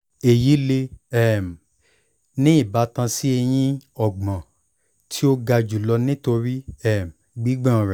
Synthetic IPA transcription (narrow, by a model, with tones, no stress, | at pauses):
e˨ji˨˦le˧ɛ˦˨m˨ | nĩ˦i˦˨ba˨˦tã˧si˦e˧j̃ĩ˧ɔ˨ɡ͡bã˨ | tʰi˦o˦ɡa˧d͡ʒu˨lɔ˧nĩ˦to˧ɾi˦ɛ˦˨m | ɡ͡bi˨˦ɡ͡bã˦˨ɾɛ˨